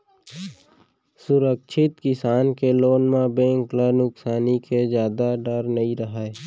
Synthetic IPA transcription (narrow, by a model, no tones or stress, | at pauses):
sʊɾəkʃʰɪt̪kɪsaːnkeloːnmãbẽːŋklənʊksaːniked͡ʒjaːd̪aɖəɾnɐĩɾəɦae